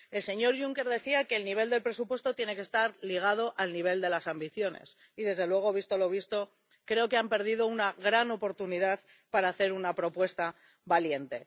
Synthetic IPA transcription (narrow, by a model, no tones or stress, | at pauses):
e̞lse̞ɲo̞ɾʝuŋke̞ɾðe̞θiake̞ːlniβ̞e̞ld̪e̞lpɾe̞s̬upwe̞st̪o̞t̪je̞ne̞ke̞st̪aɾliɣ̞að̞o̞ʔalniβ̞e̞ld̪e̞lasambiθjo̞ne̞̰s | iðe̞zðelwe̞ɣ̞o̞β̞ist̪o̞lo̞β̞ist̪o̞ | kɾe̞o̞ke̞ampe̞ɾð̞iðo̞unaɣɾano̞po̞ɾt̪uniðað | paɾaːθe̞ɾunapɾo̞pwe̞st̪a | βalje̞nt̪e̞